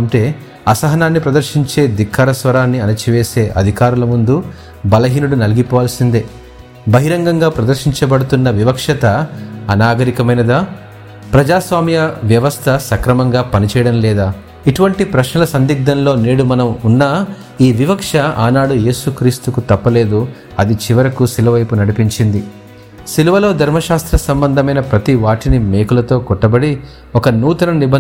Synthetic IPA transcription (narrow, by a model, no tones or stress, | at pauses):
ɐmʈe̞ː | ɐsɐɦɐnaːnːipɾɐd̪ɐɾʃiɲt͡ʃe̞ːd̪ikʰːɐɾɐsʋɐɾaːnːiɐnɐt͡ʃiʋeːse̞ːʔɐ̰d̪ʱikaːɾulɐmund̪u | bɐlɐɦiːnuɽunɐliɡipɔːʋaːlɐsind̪eː | bɐɦiɾɐŋɡɐŋɡaːpɾɐd̪ɐɾʃiɲt͡ʃɐbɐɽut̪unːɐʋiʋɐkʂɐt̪ɐːnaːɡɐɾikɐmɐjnɐd̪aː | pɾɐd͡ʒaːsʋaːmjɐʋjɐʋɐst̪ʰɐsɐkɾɐmɐŋɡaːpɐnit͡ʃɛjɐɽɐmlɛːd̪aː | iʈuʋɐɳʈipɾɐʃnɐlɐsɐnd̪iɡ̚d̪ɐnlo̞ːneːɽumɐnɐmunːaː | iːʋiʋɐkʂɐaːnaːɽuje̞ːsukɾiːst̪ukut̪ɐpːɐle̞ːd̪u | ɐd̪it͡ʃiʋɐɾɐkusilɐʋɐjpunɐɽipiɲt͡ʃind̪i | siluʋɐlo̞ːd̪ʱɐɾmɐʃaːst̪ɾɐsɐmbɐnd̪ʱɐmɐjnɐpɾɐt̪iʋaːʈinime̞ːkulɐt̪o̞ːkɔʈːɐbɐɽi | ɔkɐnuːt̪ɐnɐnibɐ